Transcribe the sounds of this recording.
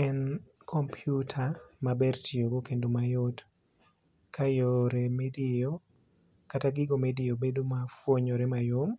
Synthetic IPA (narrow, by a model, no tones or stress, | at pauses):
ɛn | kʰɔmpʰjutʰamabɛrtioɡokendomajɔt | kʰajɔɾemedɪo | kataɡɪɡomedɪobedomafwoɲɔɾɛmajom